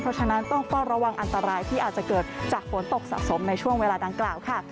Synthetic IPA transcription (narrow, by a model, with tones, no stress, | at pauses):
pʰɾɔ˦˥t͡ɕʰa˧na˦˥nt̪ɔ˥˩ŋt̪ɔ˥˩ɾa˧wa˧ŋʔa˧nt̪a˧ɾaː˧jt̪ʰiː˥˩ʔaː˨˩t̪̚t͡ɕa˨˩kɤː˨˩t̪̚t͡ɕaː˨˩k̚fo˨˩˦nt̪o˨˩k̚sa̰˧˩ʔso˩˦mna˧jt͡ɕʰu˥˩əŋweː˧laː˧da˧ŋklaː˨˩wkʰa˥˩